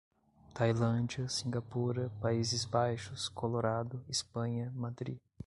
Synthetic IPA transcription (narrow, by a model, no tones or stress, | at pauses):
t̪ajlɐ̃d͡ʒiɐsĩɡapuɾɐpaizɪzbajʃʊskʰoloɾad̪ʊispɐ̃ɲɐmad̪ɾi